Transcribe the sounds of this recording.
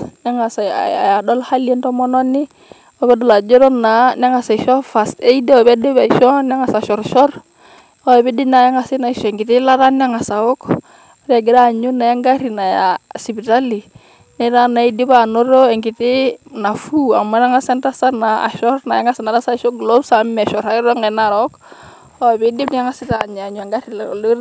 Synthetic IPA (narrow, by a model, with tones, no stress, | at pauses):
na˦ŋa˨sa˨a̰˨a̰˨ja˨dɔ˦lha˦li˦ɛ˦ntɔ˦mɔ˦nɔ˦nːi˦ | ɔ˦bɛ˦dɔ˨la˨d͡ʒɔ˦ɾɔ˦na˨na˦ŋa˨sa˨ʃɔ˦fa˨ste˦i˦de˦ɔ˨bɛ˦de˦bɛ˨ʃɔ˦n˦a˦ŋa˨sa˨ʃɔ˨ɾʃɔ˦ɾ | ɔ˦ɛ˨bɛ˦di˦na˨ja˦ŋa˨si˦na˨i˨ʃɔ˨ŋɡi˨ti˦la˦ɾa˦n˦a˦ŋa˨sa˨wo˦k | ɾa˨ɡi˨˦da˦˨ɲu˦na˨ja˦ŋɡa˦ɾi˨na˨ja̰˨si˨bi˨ta˦li˨ | nɛ˦ɾa˦na˨i˦di˦bano˦ɾo˦ɛ˨ŋɡi˨ti˦na˨fu˦a̰˨ma˦na˦ŋa˦sɛ˦nta˦sa˦na˨a̰˨ʃɔ˦ɾna˨ja˦ŋa˦sa˨na˨ɾa˦sa˦ʃɔ˦ɡlo˦bsa˨mɛ˨ʃɔ˨ɾa˨jɾɔ˦ŋɛ˨naɾɔ˦k | ɔ˦˨be˦di˦bni˦ja˦ŋa˦sɪ˦ta˨ɲ˨a˨ɲua˨ŋɡa˦ɾi˨ll